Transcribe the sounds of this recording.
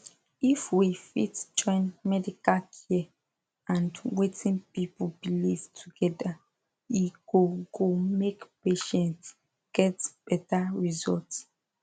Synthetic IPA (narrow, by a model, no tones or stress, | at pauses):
ifwifḭtd͡ʒɔ̃ɪ̃nmɛdikalkʰi | ãndwetĩnpipubilistʰuɡɛda | iɡ̥oɡomekpeʃɛ̃nt | ɡ̥ɛtb̥ɛtaɹizɔlts